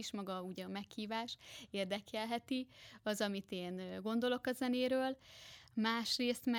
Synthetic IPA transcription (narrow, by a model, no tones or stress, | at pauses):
iʃmɒɡɒuɟɛɒmɛkhiːvaːʃeːrd̪ɛkʰɛlɦɛt̪iɒzɒmit̪eːnɡo̞nd̪o̞lo̞kɒzɛneːɾøːlmaːʃreːst̪mɛ